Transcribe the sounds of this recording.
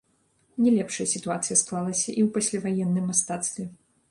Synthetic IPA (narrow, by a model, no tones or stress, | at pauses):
nʲɛlʲɛpʂɐjɐsʲit̪uat̪sɨjɐsklˠalˠɐsʲɐʔiwpasʲlʲavajɛnːɨmːast̪at̪st̪vʲɛ